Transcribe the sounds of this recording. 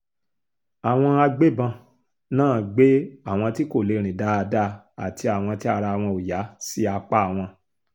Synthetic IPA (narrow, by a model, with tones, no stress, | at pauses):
a˨w̃ɔ̃˧a˧ɡ͡be˦bã˧ | nãː˦˨ɡ͡be˦a˦˨w̃ɔ̃˧ti˦ko˦˨le˨˧ɾ̃ĩ˨da˨˦a˧da˦ | a̰˨ti˧a˨w̃ɔ̃˧ti˦a˦˧ɾa˧˨w̃ɔ̃˧o˨ja˨˦si˦a˧k͡pa˦a˨w̃ɔ̃˧